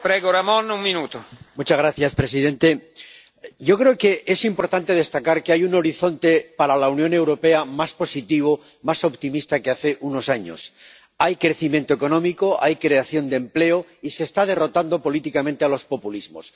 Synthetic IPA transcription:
pɾɛɣoɾamõnuŋmĩnut̪omut͡ʃazɣɾaθjaspɾe̞s̬iðẽ̞nt̪e̞ | ɟ͡ʝo̞kɾe̞oke̞ʔesimpo̞ɾt̪ant̪e̞ð̞e̞st̪akaɾkeajuno̞ɾiθo̞nt̪e̞paɾalaunjõ̞ne̞wɾo̞pe̞amaspo̞sit̪iβ̞o | maso̞pt̪imist̪akeaθe̞ʔuno̞saɲo̞̰s | ajkɾe̞θimje̞nt̪oeko̞nõ̞miko̞ʔajkɾe̞aθjo̞nd̪emple̞oise̞ːst̪að̞e̞ro̞t̪and̪o̞po̞lit̪ikamẽnt̪e̞alo̞spo̞pulizmo̞̰s

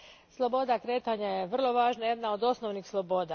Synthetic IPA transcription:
slˠobod̪akɾeːt̪aɲajeʋr̩loʋaːʒnajed̪naod̪osnoʋnixslˠobod̪a

